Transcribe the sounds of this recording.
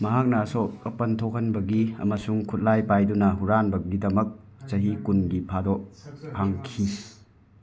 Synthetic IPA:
mɐɦak̚nɐːsokɐpɐntʰokhɐnbɐɡiɐ̰mɐsuŋkʰut̚lajpajdunɐɦuɾanbɐɡidɐmɐk̚ | t͡ʃɐɦikunɡipʰadɔpʰaŋkʰi

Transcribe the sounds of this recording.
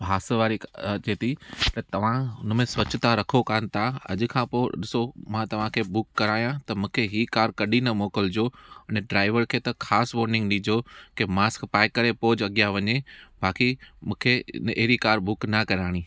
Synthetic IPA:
bʱaːsʋaːɾit͡ɕeːt̪ʰit̪ɐt̪ɐʋ̤ãʊn̆mẽsʋɐt͡ɕt̪aɾɐkʰokaːnɪ̆t̪ʰaɐ̰ʄ̆kʰãːpoːɗɪsomãt̪ɐʋ̤ãkʰeːbʊkːɐɾaːijãt̪ɐmũːkʰeɦiːkaːɾkɐɗinɐmɔːkəld͡ʑoːɪnɖɾaːɪʋəɾkʰeːt̪ɐkʰaːsʋoːɾnɪ̃ŋɡɗĩd͡ʑokemaːskpaːɪkɐɾepoːd͡ʑɐɠijaʋɐɲebʱaːkimũːkʰḛneɦɾikaːɾbʊknɐkɐɾaːɽ̃iː

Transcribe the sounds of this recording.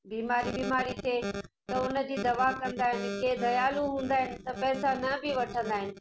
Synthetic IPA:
biːmaːɾibiːmaːɾit̪ʰeːt̪ɐʊnə̆d͡ʑiːd̪ɐʋakɐ̃nd̪aːɦɪnɪ̆kʰeːd̪ɐjaːluɦũːn̆d̪aːɦɪnɪ̆t̪ɐpɛːsanɐbɪʋɐʈʰə̃nd̪aːɦɪnɪ̆

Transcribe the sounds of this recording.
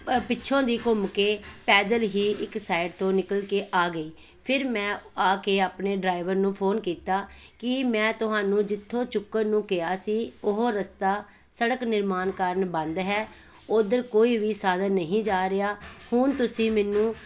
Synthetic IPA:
pɪtːʃʰõːd̪iːkʊmkeːpɛːd̪əlɦiːʔɪksaːɪɖt̪õːnɪkəlkeːʔaːɡəiː | pʰɪɾmɛ̃ːaːkeːaːpɳeːɖɾaːɪʋəɾnũːpʰoːnkiːt̪aː | kɪmɛ̃ːt̪ʊɦaːnũːd͡ʒɪt̪ʰːõːt͡ʃʊkːəɾnũːkɪaːsiːʊɦoːɾəst̪aː | səɽəknɪɾmaːnkəɾəɳbə̃nd̪ɦɛː | oːd̪əɾkoːiːʋiːsaːd̪ənnəɦĩːd͡ʒaːɾɪaːhʊnt̪ʊsĩːmɛːnũː

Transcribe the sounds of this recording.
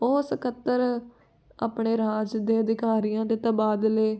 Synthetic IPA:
oːsəkʰət̪ːəɾ | a̰ːpɳeːɾaːd͡ʒd̪eːəd̪ɪkaːɾijãːd̪eːt̪əbaːd̪leː

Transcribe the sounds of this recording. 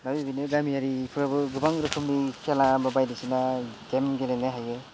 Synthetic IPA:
nabibinɯɡamijaɾipʰɯɾabɯɡɯbaŋɡɾɯkʰɯmnikʰelababajdisinaɡemɡelenaɦajɡɯ

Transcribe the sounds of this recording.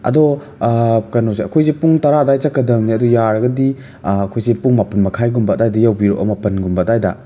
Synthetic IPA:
ɐ̰dɔ | kanɔseɐkʰojzepuŋtɐɾadajt͡ʃakːɐdɐŋniɐdɔjaɾɐɡɐdi | ɐkʰojzepuŋmapɐnmɐkʰajɡumbadajdɐjawbiɾo̰ʔɐ̰mapɐnɡumbatajda̰

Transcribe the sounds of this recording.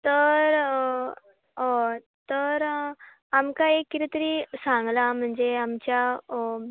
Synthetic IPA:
t̪əɾ | ɦo | t̪əɾ | amkaekːit̪it̪əɾiːsãŋɡlam̤əɳd͡zeamt͡ɕja

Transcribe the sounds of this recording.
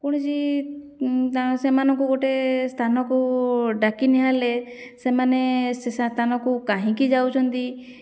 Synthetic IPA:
kɔɽ̃id͡ʒi | asɛmanɔkuɡɔʈest̪ʰanɔkuɖakinɛɦale | sɛmanest̪ʰanɔkukaɦĩkid͡ʒawt͡ʃʰɔnt̪i

